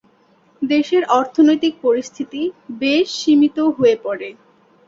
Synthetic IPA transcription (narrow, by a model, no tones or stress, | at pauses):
d̪eʃeɾʔɔɾt̪ʰonojt̪ik̚poɾist̪ʰit̪ibeʃːimit̪oɦoepɔɽe